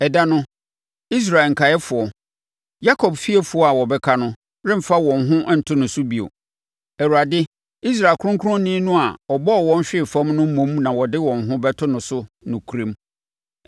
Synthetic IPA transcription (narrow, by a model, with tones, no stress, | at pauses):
ɛ˨da˦nʊ̃˦ | i˦s̬ɾa˨e˨ŋ̩˨kʰa˨jɛ˦fʊ˨ɔ˨ | ja˦kʰɔ˨bfi˦e˦fʊ˨˦ɔ˦a˨wɔ˨bɛ˦kʰa˦nʊ̃˦ | ɾɪ̃˦m̩˨fa˦wɔ̃˨nɦʊ̃˦ʔn̩˨tʰʊ˦nʊ̃˨sʊ˦bi˨o̰˨ | ɛ˨ɾu˨ɾa˨dɪ˦ | i˦s̬ɾa˨ɪ˨lkʰʊ̃˦ʊ̃˦ŋkʰʊ˦ɾʊ̃˦nĩː˦nʊ̃˦a˨ɔ˨bɔ˦ɔ˨wɔ̃˦n˦ɕᶣɪ˦˨fã˦mnʊ̃˦m̩˦mõ˦mnã˨wɔ˨dɪ˦wɔ̃˨n˨ɦʊ̃˦bɛ˦tʰʊ˦nʊ̃˨sʊ˦ | nʊ̃˨kʰu˨ɾẽ˦m